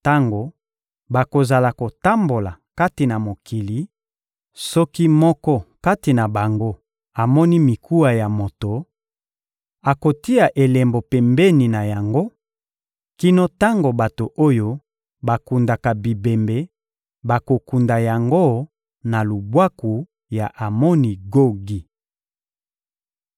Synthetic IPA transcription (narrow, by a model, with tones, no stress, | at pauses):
ta˦ŋɡo˨ | ba˨ko˨za˨la˨ko˨ta˦mbo˨la̰˨ka˦ti˨na˨mo˨kʰi˨li˨˦ | sɔ˦ki˦mɔ˦kɔ˦ka˦ti˨na˨ba˨ŋɡo˦ | a˨mɔ˦ni˦mi˨kʰu˦a˨ja˨mo˨to˨ | a˨ko˨ti˦a˨ʔe˨le˨mbo˨pɛ˨mbe˦ni˨na˨ja˨ŋɡo˦ | ki˦no˦ta˦ŋɡo˨ba˨to˨ʔo˦jo˦ | ba˨ku˨nda˨ka˨bi˨be˨mbe˨ | ba˨ko˨ku˨nda˨ja˨ŋɡo˦ | na˨lu˨bwa˦ku˨ | ja˨ʔa˨mɔ˦ni˨ɡo˦ɡi˨